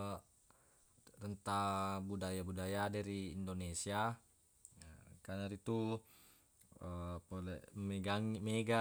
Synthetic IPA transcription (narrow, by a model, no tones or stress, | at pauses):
rənt̪abudajabudajadaɾiːndonesia | kanaɾit̪u | əpolɛ̰meɡaŋimeɡa